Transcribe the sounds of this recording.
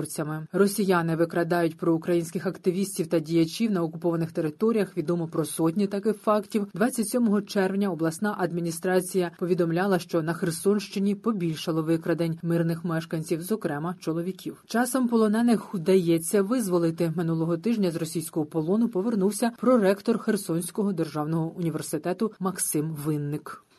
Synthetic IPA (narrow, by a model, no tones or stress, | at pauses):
rt͡sʲɐmɪrɔsʲijanɪʋɪkɾɐd̪ɑjʊtʲpɾɔʊkɾɐjinʲsʲkɪxɐkt̪ɪʋʲisʲtʲiwt̪ɐdʲijɐt͡ʃʲiwnɐɔkʊpɔʋɐnɪxt̪e̞ɾɪt̪ɔɾʲijɐxʋʲid̪ɔmɔpɾɔsɔtʲnʲit̪ɐkɪxfɑktʲiwd̪ʋɑt͡sʲːɐtʲsʲɔmɔɦɔt͡ʃɛrʋnʲɐɔblˠɐsnɑʔɐd̪mʲinʲist̪ɾɑt͡sʲijɐpɔʋʲid̪ɔmlʲalˠɐʃt͡ʃɔnɐxersɔnʃt͡ʃɪnʲipɔbʲilʲʃɐlˠɔʋɪkɾɐd̪enʲmɪrnɪxmɛʃkɐnʲt͡sʲiwzɔkɾɛmɐt͡ʃɔlˠɔʋʲikʲiwt͡ʃɑsɔmpɔlˠɔnɛnɪxʊd̪ɐjɛt͡sʲːɐʋɪzʋɔlˠɪt̪ɪmɪnulˠɔɦɔt̪ɪʒnʲɐzrɔsʲijsʲkɔɦɔpɔlˠɔnʊpɔʋernuwsʲɐpɾɔɾɛkt̪ɔrxersɔnʲsʲkɔɦɔd̪erʒɑwnɔɦɔʔʊnʲiʋe̞rsɪt̪ɛt̪ʊmɐksɪmʋɪnːɪk